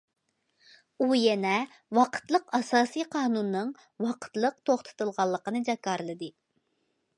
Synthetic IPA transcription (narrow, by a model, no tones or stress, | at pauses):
ujɛnɛ | wɑqʰə̥t̪lˠəqɑsɑːsijqʰɑːnunːɨŋ | wɑqʰə̥t̪lˠəq̚t̪ʰoχt̪ʰɨ̥t̪ɨlˠʁɑlˠːəqənɨd͡ʒɑkɑɾlˠɨd̪ɨ